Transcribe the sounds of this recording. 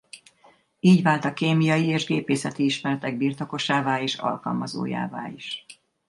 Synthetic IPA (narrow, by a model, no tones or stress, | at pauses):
iːɟvaːlt̪ɒkeːmijɒjieːʒɡeːpeːsɛt̪iiʃmɛɾɛt̪ɛɡ̚biːrt̪o̞ko̞ʃaːvaːeːʃɒ̰lkɒ̰lmɒzo̰ːja̰ːva̰ːliʃ